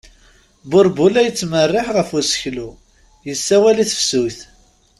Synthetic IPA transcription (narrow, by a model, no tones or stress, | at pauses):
bʊɾˤbulæjət͡sːmərːɪħʁəfusə̥çlu | jəsːæwæliθfsuθ